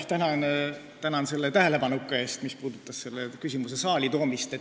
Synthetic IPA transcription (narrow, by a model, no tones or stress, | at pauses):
ht̪ænɑn | t̪ænɑnse̞lːe̞t̪æɦe̞le̞pɑnukːˑɑe̞ːst̪mispuːd̪̥ut̪ːˑɑsse̞lːekysʲimus̬esɑːlit̪o̞ːmist̪e